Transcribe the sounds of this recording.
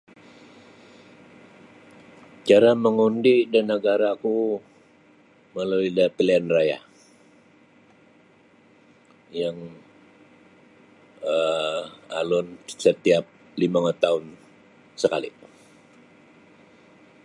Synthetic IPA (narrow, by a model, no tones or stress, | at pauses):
t͡ʃaɾaməŋundidanːəɡaɾaku | məluidapilianraja̰ | jaŋ | ə | a̰lʊnsət̪iap̚ | limaŋt̪aʊn | səkalḭ